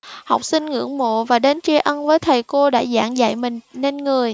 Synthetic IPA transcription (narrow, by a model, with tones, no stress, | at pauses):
hɔ˨˩wk͡p̚sï˧ŋŋɨ̰˧˥əŋmo̰˧˨vaː˨˩ɗe˨˦nt͡ɕi˧əʔə˧nvəː˨˦jt̪ʰə˨˩jko˧ɗa̰ː˧˥za̰ː˧˥ŋza̰˧˨jmï˨˩ŋ̟ne˧nŋɨ˨˩əj